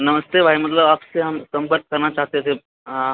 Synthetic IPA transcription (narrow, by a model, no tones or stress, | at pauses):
nəməst̪eʋʱaɦimət̪ləapseɦamsəmpəɾt̪̚kəɾɳat͡ɕaɦt̪et̪ʰe | ã